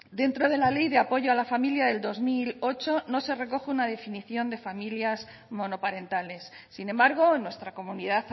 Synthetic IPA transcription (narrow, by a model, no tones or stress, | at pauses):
d̪e̞nt̪ɾo̞ð̞e̞lale̞jðe̞apo̞ʝo̞alafamiljaðe̞ld̪o̞zmilo̞t͡ʃo̞no̞se̞re̞ko̞xeunað̞e̞finiθjo̞nd̪e̞familjas | mo̞no̞paɾe̞nt̪ale̞sːinẽ̞mbaɾɣ̞o̞nwe̞st̪ɾako̞muniðaθ